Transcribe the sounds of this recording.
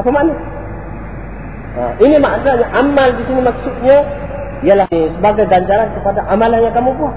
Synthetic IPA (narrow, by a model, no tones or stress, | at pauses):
apamanu | a̰ʔinimaʔtaɲaʔamaldisinimaksut̪̚ɲa | jalasəbaɡajɡaɲt͡ʃaɾankəpadaʔamalahɲakamupua